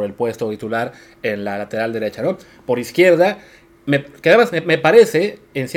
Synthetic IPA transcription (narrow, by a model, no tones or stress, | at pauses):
ɾe̞lpwe̞st̪ot̪it̪ulaɾ | e̞nlalat̪e̞ɾald̪e̞ɾe̞t͡ʃano̞ | po̞ɾiskje̞ɾða | mekeaðemasmeme̞paɾe̞se̞ːnsje